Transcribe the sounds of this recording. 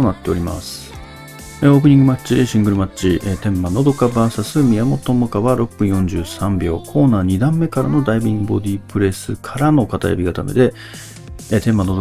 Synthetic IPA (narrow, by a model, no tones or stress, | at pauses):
onat̪ːe̞o̞ɾʲima̰sɨ̥ | eo̞ːk̬ɯ̟ɲ̟ĩŋɡɯ̟mat͡ɕiɕĩŋɡɯ̟ɾɯ̟mat͡ɕiʔet̪ẽ̞mːano̞d̪o̞kabaːsasɨmʲijamo̞t̪o̞mokaβaɾo̞pːɯ̟̃ɰ̃jõ̞ɲ̟d͡ʑɨːsãmbʲo̞ːkʰo̞ːnaːɲ̟id̪ãmːe̞kaɾa̰no̞d̪aibʲĩŋɡɯ̟bo̞d̪ʲipɯ̟ɾe̞sɨkʰaɾano̞kat̪a̰ja̰bʲiɡat̪a̰me̞̰d̪e̞ | t̪ẽ̞mːano̞d̪o